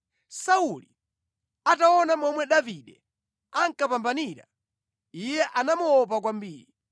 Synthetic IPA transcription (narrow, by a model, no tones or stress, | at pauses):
sauli | ataɔnamɔmwɛɗaviɗɛ | aŋ̩kapambaniɾa̰ | ijɛʔanamuɔp̬ak̬wambiːɾi